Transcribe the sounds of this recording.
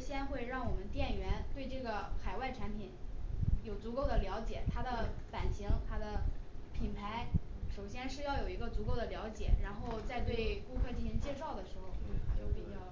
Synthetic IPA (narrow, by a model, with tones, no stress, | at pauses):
ɕjɛ˥nxwe˥˧ɪɻɑ˥˩ŋwɔ˨˩mə˦nt̪jɛ˥˩nɥɛ˧˥nt̪we˥˧ɪʈ͡ʂɤ˥˩ɡə˩xa˨˩ɪwa˥˩ɪʈ͡ʂʰa˧˥npʰi˨˩˦njo˨˩ʊt͡su˧˥ko˥˩ʊd̪ə˩ljɑ˧˥ʊt͡ɕjɛ˨˩˦t̪ʰa˥d̪ə˨pa˨˩nɕi˧˥ŋt̪ʰa˥d̪ə˨pʰi˨˩npʰa˧˥ɪʂo˨˩ʊɕjɛ˥nʂɻ̩˥˧jɑ˥˩ʊjo˨˩ʊi˧˥ɡə˧t͡su˧˥ko˥˩ʊd̪ə˩ljɑ˧˥ʊt͡ɕjɛ̰˨˩˦ɻa˧˥nxo˥˧ʊt͡sa˥˧ɪt̪we˥˩ɪku˥kʰɤ˥˧t͡ɕi˥˩ɕi˧˥ŋt͡ɕjɛ˥˧ʂɑ˥˩ʊd̪ə˩ʂɻ̩˧˥xo˥˧ʊ˥˩t͡ɕjo˥˩ʊpi˨˩t͡ɕjɑ˥˧ʊ